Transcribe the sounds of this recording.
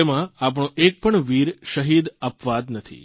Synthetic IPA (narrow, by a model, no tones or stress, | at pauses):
emãap̬ɳ̃õʔek̚pəɳʋiɾʃəɦid̪əpʋad̪nət̪ʰḭ